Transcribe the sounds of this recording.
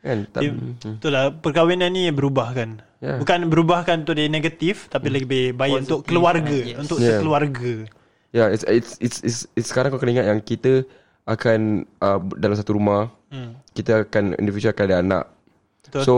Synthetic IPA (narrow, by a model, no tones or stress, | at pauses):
kant̪ait̪ulapərkawinanibəɾubahkan | jabukanbəɾubahkanunt̪ʊʔdineɡat̪ift̪apiləbɪhbaɪunt̪ʊʔkːəluarɡəunt̪ʊʔjəəluarɡə | jaisisisissə̥kaɾaŋkakənəiŋat̪̚jaŋkit̪ə | akanədalams̬at̪uɾumah | kit̪əakanḭndifid͡ʒaakadaana̰ʔ | t̪so